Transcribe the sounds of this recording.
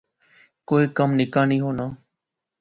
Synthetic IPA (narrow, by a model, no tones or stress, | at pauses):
koːiːkəmnɪkaːnĩːɦoːnaː